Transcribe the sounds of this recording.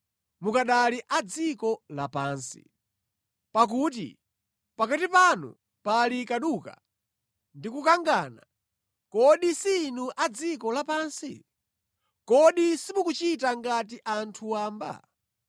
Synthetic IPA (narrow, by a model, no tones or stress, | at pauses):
mukaɗaliʔad͡zikɔlapaːnsḭ | pak̬uːtḭ | pakatipanṵ | palikaɗuːka̰ | ndikukaŋɡana̰ | kɔɗisinuʔad͡zikɔlapaːnsḭ | kɔɗisimukut͡ʃitaŋɡat̬iʔantʰuwaːmba̰